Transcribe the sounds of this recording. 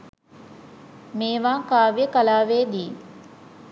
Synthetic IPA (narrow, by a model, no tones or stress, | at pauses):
meːʋaːkaːʋijəkalaːʋeːd̪iː